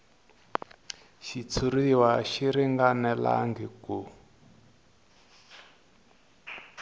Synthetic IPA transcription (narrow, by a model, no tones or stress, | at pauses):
ʃit͡sʰuɾiwaʃiɾiŋɡanɛla̰ŋɡiku